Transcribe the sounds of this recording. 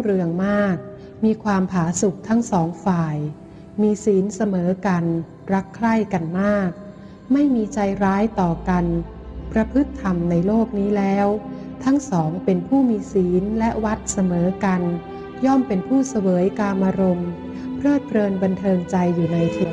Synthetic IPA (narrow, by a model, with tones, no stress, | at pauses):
u˥˩ɾɯ˧əŋmaː˥˩k̚ | miː˧kʰwaː˧mpʰaː˩˦su˨˩k̚t̪ʰa˦˥ŋsɔː˩˦ŋfaː˨˩j | miː˧siː˩˦nsa˧mɤː˩˦ka˧n | ɾa˦˥kʰːɾa˥˩jka˧nmaː˥˩k̚ | ma˥˩jmiː˧t͡ɕa˧jɾaː˦˥jt̪ɔː˨˩ka˧n | pɾa˧pʰɯ˦˥t̪ʰːa˧mna˧jloː˥˩k̚niː˦˥lɛː˦˥w | t̪ʰa˦˥ŋsɔː˩˦ŋpe˧npʰuː˥˩miː˧siː˩˦nlɛ˦˥ʔwa˦˥t̪̚sa˧mɤː˩˦ka˧n | jɔ˥˩mpe˧npʰuː˥˩sa˧wɤː˩˦jkaː˧mʔaː˧ɾo˧m | pʰɾɤː˥˩t̪̚pʰɾɤː˧nba˧nt̪ʰɤː˧ŋt͡ɕa˧jːuː˨˩na˧jkʰeː˨˩